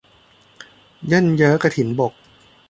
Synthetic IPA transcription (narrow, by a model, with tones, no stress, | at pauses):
jɤ˥˨njɤ˦˥ka˧t̪ʰi˨˩˦nbo˨˩k̚